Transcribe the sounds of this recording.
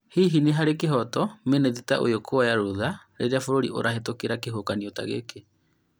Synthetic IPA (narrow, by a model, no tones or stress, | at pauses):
hiɦineɦaɾekeɦɔtɔmeneðitaʔo̰jokʰowajaɾuðaɾḛɾeafoɾoɾḭʔo̰ɾaɦetokeɾakeɦokaniota̰ɣḛke